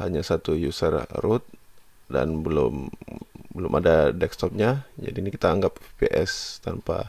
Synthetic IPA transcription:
haɲasat̪ujusərrʊt̪̚ | da̰nbəlʊm | bəlʊmʔadadɛkst̪ɔp̚ɲad͡ʒa̰dinikit̪aːŋɡap̚peʔɛst̪anpa̰

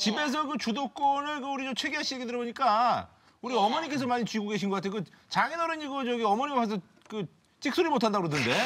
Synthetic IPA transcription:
t͡ɕibe̞s̬ʰʌkɯt͡ɕudok͈onɯɭkɯuɾit͡ɕomt͡ɕʰwe̞ɡiɦaɕʰieɡedɯɾʌboɲik͈a | uɾiʌmʌɲik͈e̞s̬ʰʌmaɲit͡ɕuɡoɡe̞ɕʰinɡʌk͈atʰejokɯ | t͡ɕaŋenʌɾɯɲiɡut͡ɕʌɡiʌmʌɲiɡkasʰʌ | kɯ | t͡ɕ͈ʰik̚s͈ʰuɾimotʰandaɡɾod̬ʰɯnde̞

